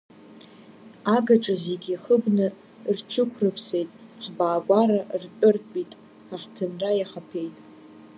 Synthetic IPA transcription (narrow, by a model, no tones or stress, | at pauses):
aɡaʈ͡ʂʼazeɡʲiχəbnɨ | rt͡ʃʰɨkʷʰrɨpʰse̞jtʼħbaːɡʷaɾart͡pʷʼʊrʼbʼitʼ | ħaħtʰɨnrajaχapʰe̞jtʼ